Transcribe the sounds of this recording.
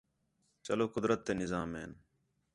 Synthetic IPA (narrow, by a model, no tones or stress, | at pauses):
t͡ʃəloːkʊd̪ɾət̪ːeːnɪzaːmeːn